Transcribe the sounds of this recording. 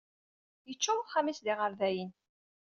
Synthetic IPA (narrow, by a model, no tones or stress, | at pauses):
jət͡ʃːʊwχamisðiʁəɾðæjən